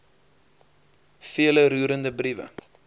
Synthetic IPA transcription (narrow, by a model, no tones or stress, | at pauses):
fiələɾuːɾəndəbrivə̰